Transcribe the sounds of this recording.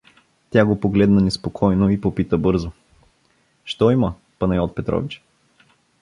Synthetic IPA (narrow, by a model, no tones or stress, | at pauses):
t̪ʲaɡopoɡlɛd̪nɐnɛspokʰɔjnoipopit̪əbɤɾzo | ʃt̪ɔimə | pɐnɐjɔt̪̚pɛt̪ɾɔ̰vit͡ʃ